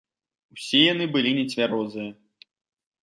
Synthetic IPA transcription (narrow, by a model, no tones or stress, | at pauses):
wsʲɛjanɨbɨlʲinʲɛt͡sʲvʲaɾɔzɨjɐ